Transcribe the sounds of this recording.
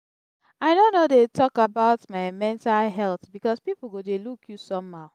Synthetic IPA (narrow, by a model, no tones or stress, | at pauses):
aɪdonodetʰɔkabaʊtmaɪmɛ̃ntalɦɛlθbikɔspipl̩ˠɡodelukʰjusɔ̃mhaʊ